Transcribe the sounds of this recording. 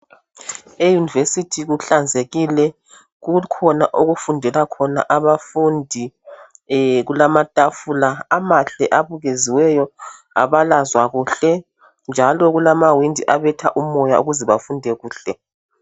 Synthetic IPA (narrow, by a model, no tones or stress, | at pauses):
ejunivesitʰiɣuɬand͡zʱeɣilɛ | ɣukʰɔnaʔoɣufundʱɛlakʰɔna̰ʔaβafundʱi | ɣulamatʼafulaamaɬɛʔaβuɣeziwɛjɔ | a̰βalazwaɣuːɬɛ | nd͡ʒʱalɔɣulamawindʱiʔaβɛtʰaʔumɔjauɣuzɛβafundʱɛɣuːɬɛ